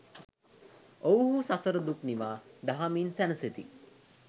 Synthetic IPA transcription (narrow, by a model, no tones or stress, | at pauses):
owɦusasəɾəd̪upniʋaːd̪aɦamiːnsænəset̪ḭ